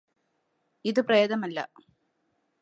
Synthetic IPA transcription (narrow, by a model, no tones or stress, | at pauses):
iðɨprɐjɐðɐmɐlːɐ̰